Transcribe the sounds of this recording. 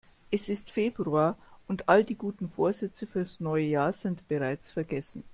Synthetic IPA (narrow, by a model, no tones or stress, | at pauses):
ʔɛsɪstfeːb̥ʁuaːɐʔʊntʔalədiːɡuːtn̩foːɐzɛt͡səfyːɐdasnɔʏəjaːɐz̥ɪntb̥əʁaɪt͡sfɛɐɡɛsn̩